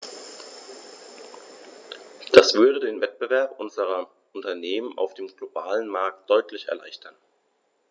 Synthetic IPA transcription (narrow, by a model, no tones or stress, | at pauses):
d̥asv̥ʏɐɾədeːnvɛt̚b̥əvɛɐpʔʊnzəʁɐ | ʔʊntɐneːmənʔa̰ʊfd̥eːmɡ̥lobaːlənmaɐk̚t̚d̥ɔʏtʰlɪçɛ̰ɐla̰ɪçtʰɐn